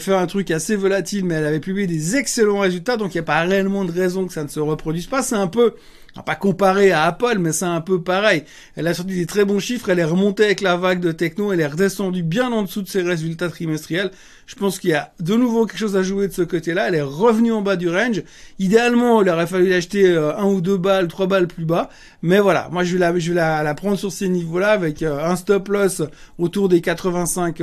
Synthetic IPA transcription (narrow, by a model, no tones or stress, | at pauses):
fɛʁɛ̃t̪χykasevɔlat̪ilmɛːlavɛpyblijed̪ezɛkselɑ̃ʁezylt̪ad̪ɔ̃kiljapaʁeɛlmɑ̃d̪əʁɛzɔ̃kə̥sanəsəʁəpχɔd̪ɥizpasɛt̪ɛ̃pø | ã̰pakɔ̃paʁeaːpœlmɛsɛɛ̃pøpaʁɛj | ɛlasɔʁt̪id̪et̪χɛbɔ̃ʃifχɛlɛʁəmɔ̃t̪eavɛklavaɡ̚d̪ət̪ɛknoɛlɛʁəd̪esɑ̃d̪ybjɛ̃nɑ̃d̪əsud̪əseʁezylt̪at̪χimɛst̪χijɛl | ʒ̥ə̥pɑ̃skʲiljad̪ənuvok̬ʲɛlkə̥ʃozaʒued̪əsəkot̪elaɛlɛʁəvnyɑ̃bad̪yʁɛnʒ | id̪ealmɑ̃ɛlɔʁɛfalylaʃt̪eøɛ̃ud̪øbalt̪χwabalplyba | mɛvwala̰mwaʒəvelaʒəvɛlalapχɑ̃d̪ʁsyʁsənivolaːvɛkøɛ̃st̪ɔplœsot̪uʁd̪ekat̪χəvɛ̃sɛ̃k